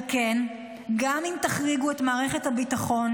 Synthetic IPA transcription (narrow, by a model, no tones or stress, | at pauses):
ken | ɡamimtaχʁiɡue̞tmaːʁe̞χethabitaχo̞n